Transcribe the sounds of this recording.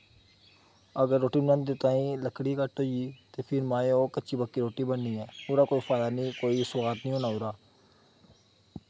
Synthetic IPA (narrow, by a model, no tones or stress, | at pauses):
əɡəɾːoːʈiːnə̃nd̪d̪ɪt̪ãːĩːləkʰɽiːkəʈoiːt̪eːpʰɪɾmãːeoːkətːt͡ʃʰiːbəkːiːɾoːʈiːbənːiːɛːʊɾaːkoːiːfʰaːd̪aːnĩːkoːiːsʊwaːt̪nĩːoːnaːʊɾaː